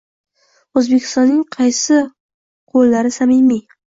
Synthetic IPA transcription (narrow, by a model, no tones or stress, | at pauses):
ozbekʲʰɪ̥st̪ɒnːɪŋqʰɑjsɪ | qʰolːaɾɪsamɪmi